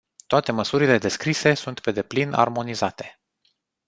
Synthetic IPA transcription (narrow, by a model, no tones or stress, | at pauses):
t̪oat̪e̞məsuɾile̞d̪e̞skɾise̞sunt̪pe̞d̪e̞plina̰rmo̞nizat̪e̞̥